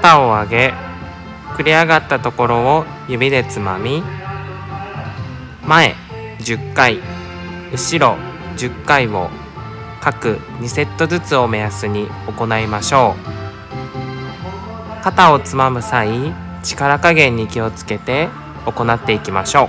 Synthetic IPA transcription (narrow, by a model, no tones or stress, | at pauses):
t̪aoaɡe̞ | kɯ̟ɾʲiaɡat̪ːat̪o̞ko̞ɾo̞o | jɯ̟bʲid̪e̞t͡sɨmamʲi | mae̞̰ | d͡ʑɨkːai | ɯ̟ɕiɾo̞ | d͡ʑɨkːaiβo̞ | kakɯ̟ɲ̟ise̞t̪ːo̞zɨt͡sɨo̞me̞jasɨɲ̟i | o̞ko̞naimaɕo̞ː | kat̪ao̞t͡sɨmamɯ̟sai | t͡ɕi̥kaɾakaɡẽ̞ɲ̟ːikʲio̞t͡sɨ̥ke̞t̪e̞ | o̞ko̞nat̪ːe̞ikʲimaɕo̞ː